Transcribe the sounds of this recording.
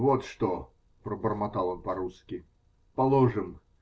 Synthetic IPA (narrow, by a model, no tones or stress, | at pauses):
vot̪ʂt̪o | pɾəbərmɐt̪ɑlˠonpɐɾuskʲɪ | pɐlˠoʐɨm